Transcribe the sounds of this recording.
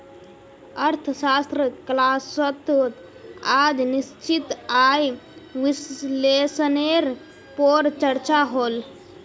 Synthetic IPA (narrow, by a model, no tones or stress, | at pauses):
əɾt̪ʰsast̪ɾəklasət̪ot̪ | ad͡ʒnist͡ʃit̪ajʋislesəneɾ | poɾt͡ʃəɾt͡ʃaɦol